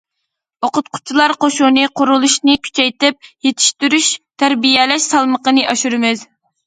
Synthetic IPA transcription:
oqʊt̪̚qʰʊ̥t͡ʃʰilˠɑɾqoʃunɨqʰʊɾulˠuʃnɨkʲʰy̥t͡ʃʰɛjt̪ɪp̚jet̪ʰi̥ʃt̪yɾyʃt̪ʰæɾbijɛlɛʃsɑlˠməqənɨʔɑʃuɾɨmɪz

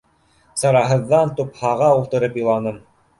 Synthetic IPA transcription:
sɑɾɑɦɤ̆ðːɑnt̪uphɑʁɑulˠt̪ɤ̆ɾɤpjɤ̆lˠɑnɤm

